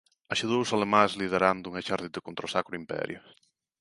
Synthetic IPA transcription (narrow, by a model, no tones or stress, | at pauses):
aʃeðowʊsalemãzlið̞eɾand̪ʊuŋeʃaɾðit̪ðɪkont̪ɾasakɾʊimpɛ̰ɾjʊ̰